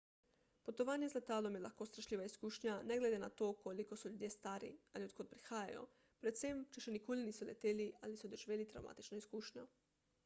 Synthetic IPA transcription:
put̪oʋaːnjezlet̪aːlomjelaxkost̪ɾaʃʎiːʋaiskuːʃɲaneɡleːd̪enat̪oːkʰolikosuʎuːd̪jest̪aːɾḭaliot̪kʰot̪̚pɾixaːja̰jo̰ | pɾet̪semt͡ʃeʃenikʰoliniːsulʲḛt̪eːlialisud̪oʒiʋeːlit̪ɾa̰wma̰t̪it͡ʃnoiskuːʃɲo

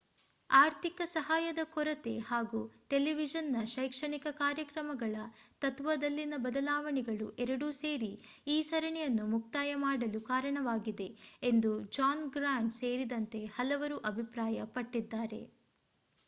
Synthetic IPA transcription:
aːɾt̪ikɐsɐɦaːjɐd̪ɐkɔɾɐt̪e̞haːɡuʈeliʋid͡ʒɐnːɐʃɐjkʂɐɳikɐkaːɾjɐkɾɐmɐɡɐɭɐt̪ɐt̪ʋɐd̪ɐlːinɐbɐd̪ɐlaːʋɐɳiɡɐɭṵʔɛɾɐɽuse̞ːɾi | iːsɐɾɐɳɛjɐnːumuk̚t̪aːjɐmaːɽɐlukaːɾɐɳɐʋaːɡid̪e̞end̪ud͡ʒaːnɡɾaːɳɖseːɾid̪ɐnt̪e̞hɐlɐʋɐɾuʔɐbʱipɾaːjɐpɐʈːid̪ːaːɾe̞̰

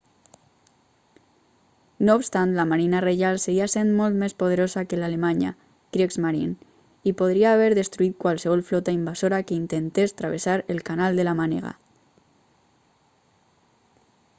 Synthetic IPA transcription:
noːpst̪ant̪lamaɾinareʒalseɣiasenmɔlˠt̪mespoð̞eɾozakelalemaɲa̰ | kɾiekzmaɾin | ipoðɾiaːβɛɾðest̪ɾuit̪̚kwalseβɔlˠflɔt̪aimbazoɾakeint̪ent̪est̪ɾaβ̞esaɾelkanalˠd̪elamanḛɣa̰

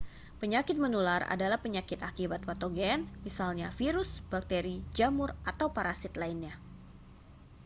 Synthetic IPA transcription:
pəɲakɪt̪̚mənulara̰dalahpəɲakɪt̪akibat̪̚wat̪oɡɛɛnmisalɲafiɾʊsb̥ak̚t̪eɾid͡ʒamʊrat̪awpaɾasɪt̪lainɲa

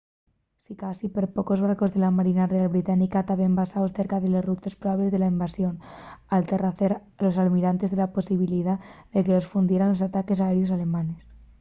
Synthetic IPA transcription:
sikasipeɾpoko̞zβaɾko̞zðe̞lamaɾinarealβɾit̪anikat̪aβembasaosθe̞ɾkaðelesrut̪espɾoβaβle̞zðe̞laimbasjo̞nalt̪e̞raθeɾ | lo̞s̬almiɾant̪e̞zðe̞laposiβ̞iliðaðeke̞lo̞sfund̪jeɾanlo̞sat̪ake̞saeɾjo̞s̬ale̞mãne̞s

